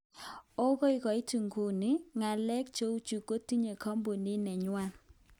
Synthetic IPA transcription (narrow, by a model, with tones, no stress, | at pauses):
o˦ɣo˦ɪ˦kɔ˨ɪ˦tu˨ŋɡo˨ni˦ŋa˨lɛ˦k̚t͡ʃo˦u˦t͡ʃu˨ko˦ti˦ɲe˨kʰɔ˦mbo˨ni˦nɛ˨ɲwa˦